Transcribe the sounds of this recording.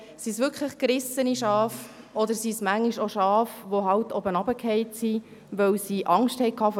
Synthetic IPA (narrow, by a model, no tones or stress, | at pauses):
sisʋʏɾkʰχləχkɾɪsəniʃɑːf | ɔd̪əɾsismæŋːiʃoʃɑːfʋoɦɑwtʰɔbənɑbəkʰhɛɪtsi | ʋœwsiʔɑŋsthɛɪkʰːɑːf